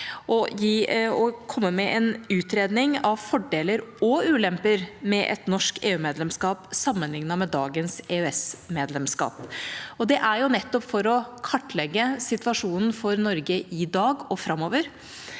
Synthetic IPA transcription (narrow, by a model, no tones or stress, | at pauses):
ʔɔjiːɔkʰɔmːəmɛʔɛnʉːt̪ɾeːd̪nɪŋɑʋfɔɖeːləɾɔʉːlɛmpəɾmɛʔɛ̰t̪nɔʂkḛːʉːmeːd̪lɛmskɑːpsɑmːənlɪŋnɑmɛd̪ɑːɡənseːʉɛsmeːd̪lɛmskɑ̰ːpɔd̪ɛʔæɾjʊnɛt̪ːɔpfɔɾɔkʰɑʈːlɛɡːəsɪt̪ʋɑʂuːnn̩fɔɾnɔɾɡəʔɪd̪ɑːɡɔfɾɑmːoːʋəɾ